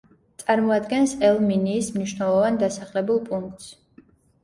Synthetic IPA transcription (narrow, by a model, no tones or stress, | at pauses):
t̪sʼaɾmɔad̪ɡɛnsɛlˠminiːsmniʃnɛlˠɔvand̪asaχlɛbulˠpʼuŋk̚t̪s